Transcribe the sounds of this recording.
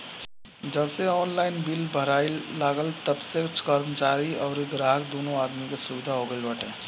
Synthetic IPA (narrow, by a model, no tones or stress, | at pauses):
d͡ʒəbseɔːnlaɪnbilbʱəɾaɪlːaɡəlt̪əbset͡ʃkəɾmət͡ʃaɾiɔːɾiɡɾaɦək̚d̪onoad̪mikesuʋid̪ʱaɦoɡəlbəʈʰẽ